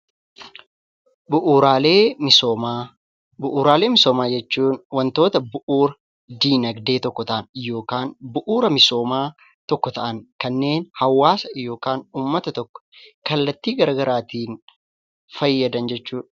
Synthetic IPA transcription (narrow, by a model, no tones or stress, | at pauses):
bʊʔuːɾaːleːɪoa | bʊʔuːɾaːle̞ːmɪsoːmaːd͡ʒɛt͡ʃːuːnwɐnt̪o̞ːt̪ɐbʊʔuːɾɐ | d̪iːnɐɡd̪e̞ːt̪ɔkːɔt̪ɐʔɐnjo̞ːkaːnbʊʔuːɾɐmɪso̞ːmaː | t̪ɔkːɔt̪ɐʔɐŋkɐnːe̞ːnhɐwːaːsɐjo̞ːkaːnuːmːɐt̪ɐt̪ɔkːɔ̥kɐlːɐt̪ːiːɡɐɾɐɡɐɾaːt̪iːn | fɐjːɐd̪ɐnd͡ʒɛt͡ʃːuːᶑɐ